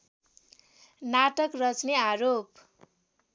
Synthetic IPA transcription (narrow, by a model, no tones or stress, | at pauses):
naʈʌkrʌt͡sneaɾop